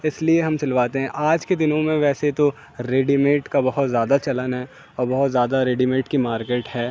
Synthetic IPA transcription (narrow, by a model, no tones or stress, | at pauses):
ɪslieɦɐmt͡ʃɪlʋaːt̪eɦɛ̃ʔaːd͡ʒked̪ɪnõmẽʋɛːset̪o | ɾeːɖimeːʈkabɐɦʊt̪zjaːd̪at͡ʃɐlənɦɛː | ɔːɾbɐɦʊt̪zjaːd̪aɾeːɖimẽːʈkimaːɾkeːʈɦɛː